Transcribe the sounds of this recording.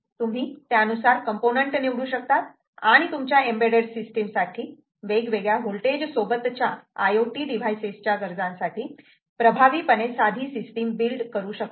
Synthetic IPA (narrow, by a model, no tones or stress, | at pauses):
t̪um̤iːt̪jaənusaɾkəmponəɳʈniʋɽuːɕək̚t̪at̪̚ | aɽ̃it̪umt͡ɕjaembeɽəɽsisʈemsaʈʰiː | ʋeɡʋeɡɭjaɦulʈed͡ʑsobət̪ːt͡ɕjaajoʈiːɖiʋ̤ajsest͡ɕaɡəɾd͡zãnsaʈiː | pɾəbʱaʋiːpəɽesad̪ʱiːsisʈimbilɖkəɾuːɕək̚t̪